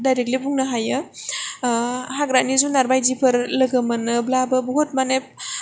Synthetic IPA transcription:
dajɾek̚libuŋnɯɦajɯ | haɡɾanizunaɾbajzipʰəɾlɯɡɯmanɯblabɯbuɦot̚manep̚

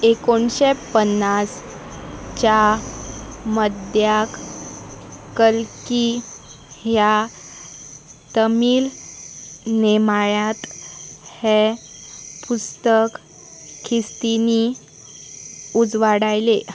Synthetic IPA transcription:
ekoɳɕepənːas | t͡ɕa | məd̪ʱjak | kəlki | ɦja | t̪əmiːl | nemaɭat̪he | pust̪ək | kʰːist̪ini | ud͡zʋaɽajle

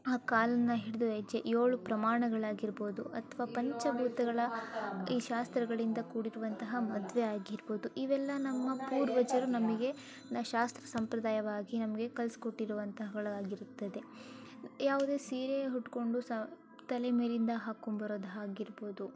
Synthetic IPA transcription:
aːkaːlɐnːɐɦiɽud̪uʋɐd͡ʒeʔjoːɭupɾɐmaːɳɐɡɐɭaːɡiɾbo̞ːd̪uʔɐt̪ʰʋaːpɐɲt͡ʃɐbʱuːt̪ɐɡɐɭɐiːʃaːst̪ɾɐɡɐɭind̪ɐkuːɽiɾuʋɐnt̪ɐɦɐmɐd̪ʋeaːɡiɾbo̞ːd̪uʔiʋɛlːɐnɐmːɐpuːɾʋɐd͡ʒɐɾunɐmɐɡe̞ | nɐʃaːst̪ɾɐsɐmpɾɐd̪aːjɐʋaːɡinɐmɐɡekɐlsi̥koʈːiɾuʋɐnt̪ɐɦɐɡɐɭaːɡiɾut̪ːɐd̪e̞ | jaːʋud̪e̞ːsiːɾeɦuʈːko̞ɳɖusɐ | t̪ɐlemeːlind̪ɐɦaːkombɐɾoːd̪ɦaːɡiɾbo̞ːd̪u

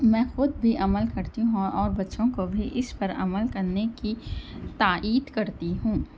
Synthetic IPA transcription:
mɛ̃ːxʊd̪̚bʱiʔɐməlkɐɾt̪iɦũɦɔːɾbɐtːʃõkobʱiʔɪspɐɾɐ̰məlkɐɾnekit̪aːʔiːd̪kɐɾt̪iɦũː

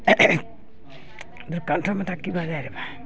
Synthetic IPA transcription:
d̪uɾkantʰɔmat̪ʰakːibazajɾɛba

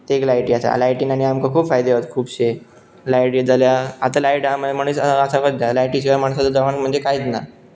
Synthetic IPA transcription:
t̪eːklajʈiːasa̰lajʈiːnaɽ̃iamkakʰuːbfajd̪eʋət̪kʰuːbɕe | lajʈjed͡zaljaat̪alajʈamm̤əɽ̃sasakəd̪ːjalajʈiɕʰiɡamaɳ̃sat͡səd̪əʋaɳm̤əɳd͡zekajit͡sna

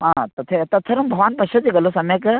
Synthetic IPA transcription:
ɦãt̪ɐt̪ʰet̪ɐt̪ʰːɐɾɐmbʱɐʋaːnpɐʃɐd͡ʑikɐlosɐmek

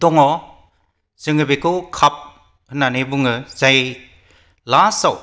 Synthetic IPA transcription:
dɔŋɔ | zɯŋɯbekɯkʰap̚ | hɯnanebuŋɯzaj | lasaw

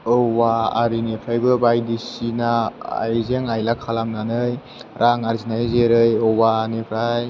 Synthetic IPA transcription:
ɔwa̰ːɾinepʰɾajbɯbajdisinaa̰jzeŋajlakʰalamnanɯj | ɾʔaŋaɾzinajzeɾɯjɔwanepʰɾaj

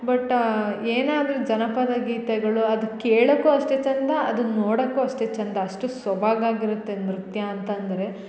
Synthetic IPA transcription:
bɐʈːeːnaːd̪ɐɾud͡ʒɐnɐpɐd̪ɐɡiːt̪ɛɡɐɭuɐd̪ukeːɭɐkːuɐʂʈet͡ʃɐnd̪ɐɐ̰d̪unːoːɽɐkːuɐʂʈeːt͡ʃɐnd̪ɐːʂʈusʋɐbʱaːɡaːɡiɾut̪ːe̞nɾut̪jɐːnt̪ɐnd̪ɐɾe̞

